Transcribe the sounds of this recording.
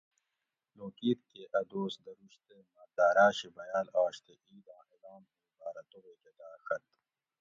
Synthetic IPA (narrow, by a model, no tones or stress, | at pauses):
loːkiːɾkeʔɐd̪oːsd̪ɐɾuɕt̪emɐd̪aːɾaːɕibɐjaːlaːɕt̪eʔiːd̪ãːed̪aːmkebaːɾɐt̪oɣeːked̪aːxɐt̪